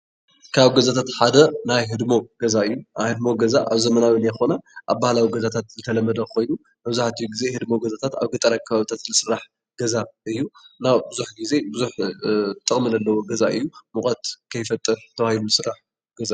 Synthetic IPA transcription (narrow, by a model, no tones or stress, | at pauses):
kʰaβɡɐzat̪ʰat̪ħad̪ɐnajɦɨd̪mo̞ɡ̥ɐzaɨjːunajhɨd̪mo̞ɡɐzaʔaβzɐmɐnawinajxo̞naʔaβbahlawiɡɐzat̪ʰat̪zɨt̪ʰɐlɐmːɐd̪ɐxo̞jnu | mɐβzuħat̪ʰijɡize̞hɨd̪mo̞ɡɐzat̪ʰat̪a̰βɡɐt̪ʼːɐɾakʰɐβaβt̪ʰat̪lɨsɨɾːaħ | ɡ̥ɐzaʔɨjːunawbɨzuħɡize̞bɨzuħt̪ʼːɨχʼmɨnɐlːɐwoɡɐzaʔɨjːumɨkʼɐt̪kʰɐjfɐt̪ʼːɨɾt̪ʰɐwahilulɨsɨrːaħ | ɡ̥ɐza